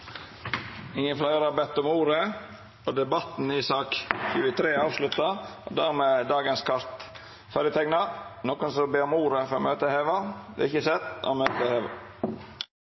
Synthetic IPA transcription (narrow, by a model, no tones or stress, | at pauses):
ɪŋjənflɑɪəɾɑbɛt̪ːʊmuːɾə | oːd̪ɛbɑt̪n̩iːsɑːkçʉːət̪ʰɾeːɑːʋslʉt̪ɑo̰ːd̪æʁmeːd̪ɑːɡənskʰɑɾt̪ | fɑɾət̪ʰɛɡnɑnoːkʊnsɔbeːɾɔmuːɾəfɔɾo̰møːt̪əheːʋɑd̪ɛ̰ːɪçəsɛt̪ːo̰møːt̪əheːʋɑ̰